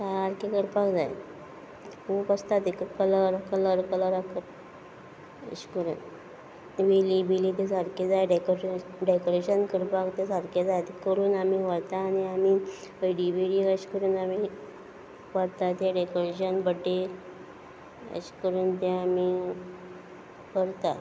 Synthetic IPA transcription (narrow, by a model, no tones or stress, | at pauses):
saɾkekəɽpakd͡zajḛ | kʰuːpast̪at̪ekəkələɾkələɾkələɾakʰət̪ | ə̰ɕkəɾṵn | ʋilibilit̪̬esaɾked͡zajɖekoɾɖekoɾeɕənkəɽpakt̪esaɾkʰed͡zajt̪ekəɾuːnamiʋəɽt̪aniamiːəɖibiɽiːkəɕkəɾuːnami | ʋaɽt̪at̪aɖekoɾeɕənbəʈːe | ə̰ɕkəɾuːnt̪̬eami | kəɾt̪a